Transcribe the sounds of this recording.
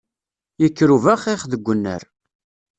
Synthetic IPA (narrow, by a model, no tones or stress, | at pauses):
jəkːɾuvæχeχðəɡʷːənːə̰ɾ